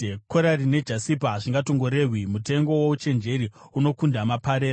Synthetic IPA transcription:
koɾarine̞d͡ʒasipaʐiŋɡato̞ŋɡo̞ɾe̞ːɦwimute̞ŋɡo̞wout͡ʃe̞nd͡ʒe̞ɾiuno̞kundamapaɾeːa

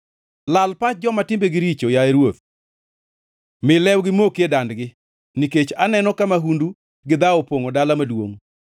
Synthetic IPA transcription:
lalpat͡ʃ̚d͡ʒɔmatɪmbeɡɪɾit͡ʃojaeɾwot̪̚ | mɪlɛwɡɪmokjedandɡɪ | niket͡ʃanɛnɔkamaɦundu | ɡɪd̪aopwoŋodalamadwo̰ŋ

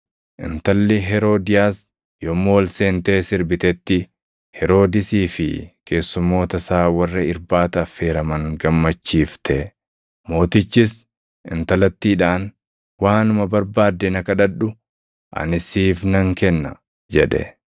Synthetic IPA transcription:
ʔɪ̰nt̪ɐlːɪɦɛɾo̞ːd̪ɪjaːs | jomːoːlseːnt̪e̞ːsɪɾbɪt̪ɛt̪ːɪ | hɛɾo̞ːd̪ɪsiːfɪkʰe̞ːsːʊmːo̞ːt̪ɐsaːwɐrːɐɪɾbaːt̪ɐfe̞ːɾɐmɐŋɡɐmːɐt͡ʃːiːft̪ʰɛ | mo̞ːt̪ɪt͡ʃːɪs | ɪnt̪ɐlɐt̪ːiːᶑaːn | waːnʊmɐbɐɾbaːd̪ːɛnɐkɐᶑɐᶑʊ | ʔɐ̰nɪsiːfnɐŋkɛnːɐ̰ | d͡ʒɛᶑɛ̰

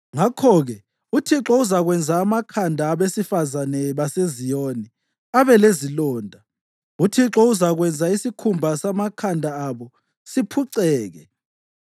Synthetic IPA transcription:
ŋakʰɔɣɛ | utʰiǁɔuzaɣwɛnd͡zʱaːmakʰandʱaːβesifazanɛβasezijoni | aβɛlezilɔːndʱa | utʰiǁɔuzaɣwɛnd͡zʱaisikʰumbʱasamakʰandʱaːβɔ | sipʰuǀɛːɣɛ

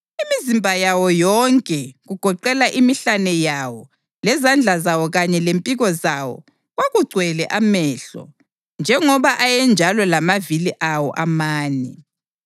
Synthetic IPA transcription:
imizimbʱajawɔjɔŋkʼɛɣuɡ̥ʱɔǃɛlaʔimiɬanɛjawɔ | lɛzand͡ɮʱazawɔɣaɲɛlempʼiɣɔzawɔ̰ | ɣwaɣuɡ͡ǀʱwɛlɛʔamɛːɬɔ̰ | nd͡ʒʱɛŋɔβaʔajɛnd͡ʒʱalɔlamaviliʔawɔ̰ʔamaːnɛ

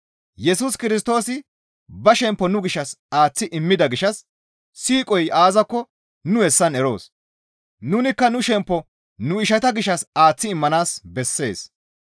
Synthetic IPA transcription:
jɛsuskɪɾɪs̬t̪o̞ːsɪ | bɐʃɛmpːɔnʊɡɪʃːɐsaːt͡sːɪʔɪmːɪd̪ɐɡɪʃɐsː | iːkʼɔjʔaːzɐkːɔ | nʊhɛsːɐnɛɾo̞̰ːs | nʊnɪkːɐnʊʃɛmpːɔ | nʊɪʃɐt̪ɐɡɪʃːɐsaːt͡sːɪɪmːɐnaːsbɛsːe̞̰ːs

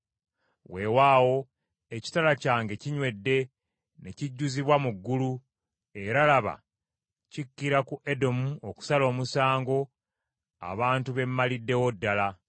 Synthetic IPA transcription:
we̞waːwo̞ | eci̥talacaːŋɡe̞ciɲwe̞dːe̞ | ne̞ciɟːuziβwamuɡːulu | e̞ɾalaβa̰ | cikːiɾakuʔe̞do̞muoku̥salo̞ːmusaːŋɡo̞ | a̰βaːntuβe̞mːalidːe̞wo̞dːala

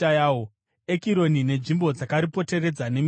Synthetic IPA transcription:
ajaːo | ekiɾo̞nine̞ʐimbo̞d͡zakaɾipo̞te̞re̞d͡zane̞m

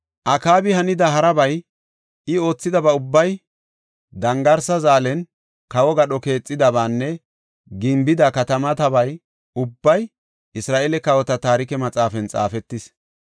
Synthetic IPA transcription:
ʔɐkaːbɪhɐnɪd̪ɐɦɐɾɐbɐj | ɪo̞ːt͡sːɪd̪ɐbɐʊbːɐj | d̪ɐŋɡɐɾsɐzaːlɛn | kɐwɔɡɐɗɔke̞ːt͡sʼːɪd̪ɐβaːnːɛ | ɡɪmbɪd̪akɐt̪ɐmɐt̪ɐbɐj | ʊbːɐj | ʔɪsɾaːʔelɛkɐwɔt̪ɐt̪aːɾɪkɛmɐt͡sʼaːfɛnt͡sʼa̰ːfɛt̪ːɪs

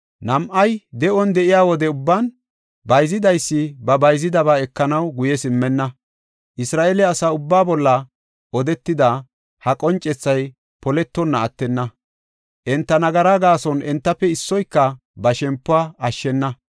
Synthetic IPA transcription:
nɐmʔɐjd̪ɛʔɔnd̪ɛʔɪjaːwɔd̪ɛʊbːan | bɐjzɪd̪ɐjsːɪbɐbɐjzɪd̪ɐβaːɛkːɐnɐwɡʊjɛsɪmːɛnːɐ | ʔɪsɾaːʔelɛɐsaːʊbːaːbɔlːɐ | ʔɔd̪ɛt̪ːɪd̪a | hɐkʼɔnt͡ʃʼːɛt͡sːɐj | pɔlɛt̪ːɔnːɐːt̪ːɛnːɐ | ʔɛnt̪ːɐnɐɡɐɾaɡaːsɔnʔɛnt̪ːɐpːɛɪsːɔjkːɐ | bɐʃɛmpːʊaːɐʃːɛnːɐ

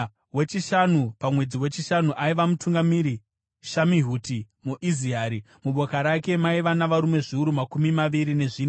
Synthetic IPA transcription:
we̞t͡ʃiʃanupamwe̞d͡ziwe̞t͡ʃiʃanuʔaiʋamutuŋɡamiɾi | ʃamiɦuːti | muʔiziaːɾi | muɓʱo̞kaɾake̞maiʋanaʋaɾume̞ʐiuɾumakumimaʋiɾine̞ʐiːn

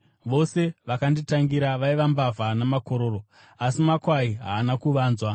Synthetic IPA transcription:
ʋo̞se̞ʋakanditaŋɡiɾaʋaiʋambavanamako̞ɾo̞ːro̞ | asimakwaiɦa̰ːnakuʋaːnzwa

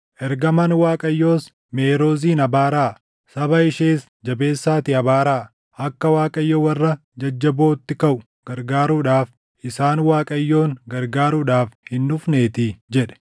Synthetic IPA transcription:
ʔɛɾɡɐmɐnwaːkʼɐjːo̞ːs | me̞ːɾo̞ːziːnɐbaːɾaː | sɐβɐɪʃeːs | d͡ʒɐbe̞ːsːaːt̪ɪɐbaːɾaː | ʔɐkːɐwaːkʼɐjːɔwɐrːɐ | d͡ʒɐd͡ʒːɐbo̞ːt̪ːɪkɐʔʊ | ɡ̥ɐɾɡaːɾuːᶑaːf | ʔɪsaːnwaːkʼɐjːo̞ːŋɡɐɾɡaːɾuᶑaːfhɪnːʊfne̞ːt̪ɪd͡ʒɛᶑɛ̥

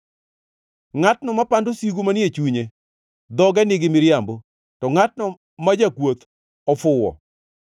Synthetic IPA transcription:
ŋatnɔmapandosiɡomanjet͡ʃuɲe | d̪ɔɡɛnɪɡɪmɪɾjambo | tɔŋatnɔ | mad͡ʒakwot̪ | ɔfʊwɔ̰

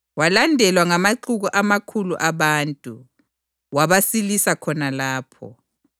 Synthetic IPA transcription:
walandʱɛlwaŋamaǃuɣuʔamakʰuluʔaβaːntʼu | waβasilisakʰɔnalaːpʰɔ̰

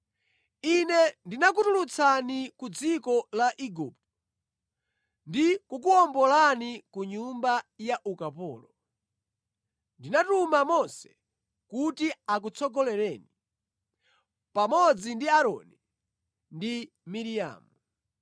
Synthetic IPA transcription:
inɛndinak̬utulut͡sʰanikud͡zikɔlaʔiɡuptɔ̥ | ndikukuɔmbɔlanikuɲumbajaʔukapɔ̰ːlɔ | ndinatumamɔnsɛ̥ | kutiak̬ut͡sʰɔɡɔlɛɾɛːni | pamɔd͡zindiaɾɔ̰ni | ndi | miɾija̰ːmu

